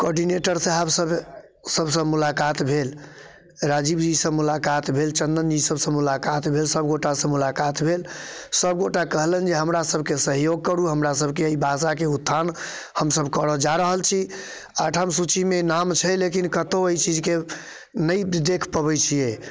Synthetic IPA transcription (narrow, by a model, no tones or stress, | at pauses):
kɔɾɖineʈəɾsə̃ɦəbsəb | səbʱsə̃mulakat̪bʱel | ɾad͡ʒibd͡ʒisə̃mulakat̪bʱelt͡ʃənd̪ənd͡ʒisəbsə̃mulakat̪bʱelsəbɡoʈasə̃mulakat̪bʱelsəbɡoʈakəɦlənd͡ʒeɦəmɾasəbʱkesəɦjoɡ̚kəɾuɦəmɾas̬əbʱkeəibasakeut̪ʰːan | həmsəbʱkəɾəd͡ʒaɾəɦəlt͡ʃʰi | aʈʰəmsut͡ʃimenamt͡ʃʰɛlekinkət̪oəit͡ʃid͡ʒke | nəjd̪ekʰpəbɛt͡ʃʰijɛ